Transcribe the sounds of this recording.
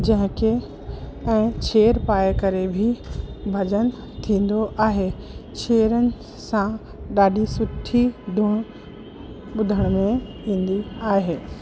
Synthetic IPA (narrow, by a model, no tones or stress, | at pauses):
d͡ʑɐ̃ɦɪ̃kʰe | ɛ̃ːt͡ɕʰeːɾpaːjkɐɾebʱibʱɐd͡ʑən | t̪ʰĩːn̆d̪oʔaːɦet͡ɕʰeːɾənɪ̆ | sã | ɗaːɖʱisʊʈʰːid̪ʱʊɽ̃ | ɓʊd̪ʱəɽ̃mẽ | ĩːn̆d̪iaːɦeː